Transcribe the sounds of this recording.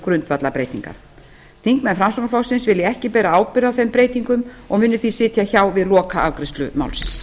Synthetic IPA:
kɾʏnt̪vat̪lapɾeːjt̪iŋka̰ɾ̥ | t̪ʰiŋkmɛnfɾamsɔknfɔwsɪnsvɪljɛɛhcɪpɛːɾaaːwpɪɾðawθejmpɾeːjt̪iŋkʏmɔɣmʏnːʏθisɪːt̪jaçawvɪðlɔːkaawkɾɪst̪lʏma̰wlsɪns

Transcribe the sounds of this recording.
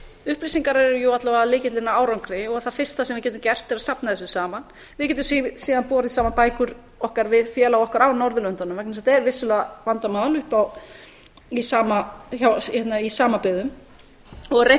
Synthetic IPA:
ʏhplisiŋkaɾɛɛɾjɔat̪lavalɪːcɪt̪lɪnːaaːwɾawŋkɾɪɔɣθaðfɪr̥st̪asɛmvɪɾcɛːt̪ʏmcɛr̥t̪ːɪɾasapnaθɛsʏsaːman | vɪðcɛt̪ʏmssiːðanpɔːɾɪðsaːmapaːjkʏɾ | ɔhkaɾvɪðfjɛːlaɔhkaɾawnɔɾðʏlœnt̪anʏmvakns̬at̪aɛɾvɪsːʏlɛavant̪amaːðalʏhpaw | isaːmaçawçɛt̪naisaːmapɪðʏm | ɔɣrej

